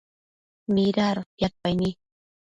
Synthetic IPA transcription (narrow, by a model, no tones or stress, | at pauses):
mɪɾaɾjaɾpajni